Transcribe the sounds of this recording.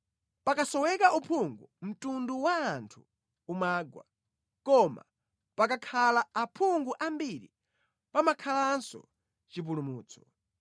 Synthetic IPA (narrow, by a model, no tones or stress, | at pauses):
pakasɔwɛkaʔupʰuŋɡum̩tunduwaːntʰu | umaːɡwa̰ | kɔma̰ | pakakʰalaapʰuŋɡuʔambiɾḭ | pamakʰalansɔ̰ | t͡ʃip̬ulumuːt͡sʰɔ̥